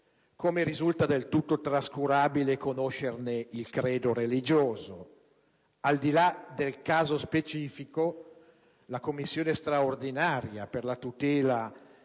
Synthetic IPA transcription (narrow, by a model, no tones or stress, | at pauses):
komeɾizult̪ad̪elt̪ut̪ːot̪ɾaskuɾaːbilekonoʃːerneilkɾeːd̪oɾelid͡ʒoːzo | ald̪ilad̪elkaːzospet͡ʃiːfiko | lakomːisːjoːnest̪ɾaord̪inaːɾjaperlat̪ut̪ɛːla